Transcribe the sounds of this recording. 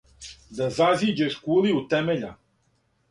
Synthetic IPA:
d̪azaziːd͡ʒeʃkuːliut̪ɛmeʎa

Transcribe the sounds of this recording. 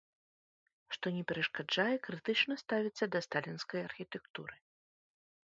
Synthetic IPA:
ʂt̪ɔnʲɛpʲɛɾɐʂkad͡ʐajɛkɾɨt̪ɨt͡ʂnɐst̪avʲit̪sːɐd̪ɐst̪alʲinskɐjɐrxʲit̪ɛkt̪uɾɨ

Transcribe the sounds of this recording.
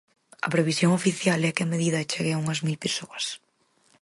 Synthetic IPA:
ɐ̰pɾeβisjoŋofiθjalɛkɪɐmeðiðɐt͡ʃeɣeauŋɐzmilpesoɐs

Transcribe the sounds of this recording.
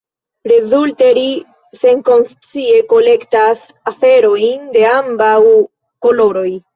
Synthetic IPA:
ɾe̞zulteɾi | seŋko̞nst͡sie̞ko̞le̞ktas | afe̞ɾo̞jnde̞ambaw | kolo̞ɾo̞j

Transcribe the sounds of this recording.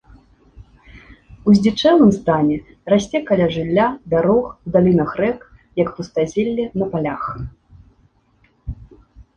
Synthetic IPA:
uzʲdʲit͡ʂɛlˠɨmst̪anʲɛ | rasʲt͡sʲɛkalʲaʐɨlʲːabʲaɾɔxwd̪alʲinɐxrɛk | jɐkpust̪azʲelʲːɛnɐpalʲax

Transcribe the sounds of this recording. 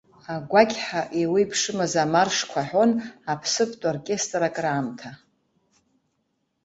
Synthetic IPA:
aɡʷakʲħaʔewijpʰʂɨmazamarʂkʷʰaħʷo̞napʰsɨpʰʼtʷʼarkʲʼe̞stʼrakʼraːmtʰa

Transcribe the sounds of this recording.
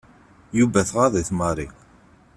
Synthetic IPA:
juvæθʁaðˤiθmɑɾˤik

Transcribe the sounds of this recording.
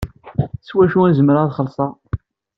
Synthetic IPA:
swæʃuænzəmɾəðχəlsˤɑ

